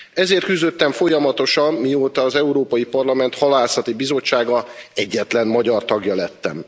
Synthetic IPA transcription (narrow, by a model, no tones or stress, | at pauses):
ɛzeːrt̪̚kyzd̪ø̞t̪ːɛɱfo̞jɒmɒt̪o̞ʃɒmːioːt̪ɒːzɛuɾoːpɒjipɒrlɒmɛnt̪hɒlaːsɒt̪ibizo̞t͡ʃːaːɡɒɛɟːɛt̪lɛnmɒɟɒrt̪ɒɡjɒlɛt̪ːɛ̰m